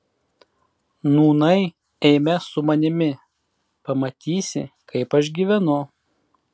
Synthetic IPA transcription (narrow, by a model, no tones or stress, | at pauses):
nuːnɐɪ | ɛɪmʲɛsʊmɐnʲɪmʲɪ | pɐmɐt̪ʲiːsʲɪ̰kɐɪpɐʃ̬ɡʲiːʋʲɛnʊ